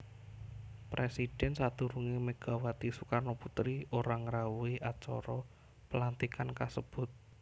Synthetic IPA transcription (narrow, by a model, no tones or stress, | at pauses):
pɾʔesid̥ɛ̤nsat̪uɾuŋiməɡ̥a̤wat̪isukarnoput̪ɾioɾaŋəɾauiʔat͡ʃɔ̰ɾɔ | pəlant̪ikankasəb̥ʊ̤t̪̚